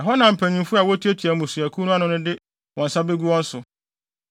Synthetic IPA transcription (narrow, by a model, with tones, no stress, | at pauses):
a˨ɦɔ˦nã˨m̩˨pʰæ̃˨ɲĩ˨mfʊ˦a˨wɔ˦tʰi˦æ˦tʰi˨æ˨mũ˨su˨æ˨kʰu˦nʊ̃˦a˦nʊ̃˦nʊ̃˦dɪ˦ | wɔ̃˨n˨sa˦be˦ɡu˦wɔ̃˦n̩˦sʊ˨